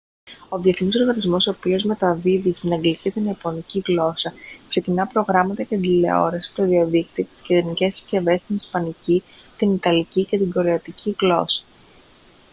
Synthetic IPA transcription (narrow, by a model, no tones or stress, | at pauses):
o̞ðie̞θinis̬o̞ɾɣɐnizmo̞so̞ːpio̞zme̞t̪ɐvivist̪ineŋɡlit̪ist̪inepo̞niciɣlo̞sɐkse̞cinɐpɾo̞ɣɾɐmɐt̪ɐceɐnd̪ile̞̰o̞̰ɾesi̥t̪oðiɐðik̚t̪iot̪i̥sceðeɾinice̞sce̞ve̞st̪inispɐnici | t̪init̪ɐlicicet̪iɡo̞ɾeɐt̪icʰiɣlo̞̰sɐ̥